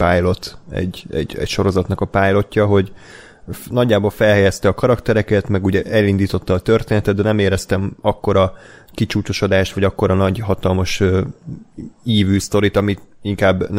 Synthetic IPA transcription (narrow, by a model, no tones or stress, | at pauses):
paːjlo̞t̪ɛ̰ɟːɛ̰ɟɛ̰cʃo̞ɾo̞zɒt̪nɒkɒpaːjlo̞cːɒɦo̞ɟ | nɒɟːaːboːlfɛlɦɛjɛst̪ɛɒkɒɾɒkt̪ɛɾɛkɛt̪mɛɡuːɟɛʔɛlind̪iːt̪o̞t̪ːɒːt̪ørt̪eːnɛt̪ɛd̪d̪ɛnɛmeːɾɛst̪ɛmɒkːo̞ɾɒkit͡ʃuːt͡ʃo̞ʃo̞d̪aːʃt̪ʋɒɟɒkːo̞ɾɒnɒɟɦɒt̪ɒlmɒʃø | iːvyːst̪o̞ɾit̪ɒmiiŋkaːbːn